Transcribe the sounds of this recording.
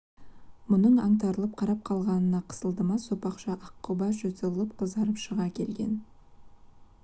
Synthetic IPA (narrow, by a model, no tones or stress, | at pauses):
mʊnəɴɑ̰ɴt̪̬ɑɾəlˠəp̚qʰɑɾɑp̚qʰɑlˠʁɑnənɑqʰə̥səlˠd̪əmɑsopɑqʃɑʔɑqʰːobɑʒɵt̪elˠəp̚qʰəzdɑɾəpʃəʁɑkʲʰe̞̰lɡʲe̞̰n